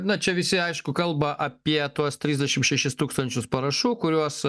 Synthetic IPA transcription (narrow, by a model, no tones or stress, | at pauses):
nɐt͡ʃʲɛʋʲɪsʲɪɐɪʃkʊkɐlˠbɐʔɐpʲiɛt̪uɔst̪ʲɾʲizʲdʲɛʃʲɪmʃʲɛʃʲɪst̪uːkst̪ɐnʲt͡ʃʲʊspɐɾɐʃuːkʊɾʲuɔs